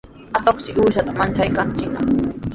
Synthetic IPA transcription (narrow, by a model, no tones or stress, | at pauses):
at̪oχsɪʔuːʃat̪amant͡ʃajkant͡ʃɪkna̰